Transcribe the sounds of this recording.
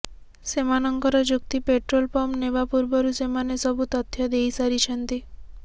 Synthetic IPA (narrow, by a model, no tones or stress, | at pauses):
semanɔŋkɔɾɔd͡ʒuk̚t̪ipeʈɾolpɔmnebapuɾbɔɾusemanesɔbut̪ɔt̪ʰːjad̪ejsaɾit͡ʃʰɔnt̪i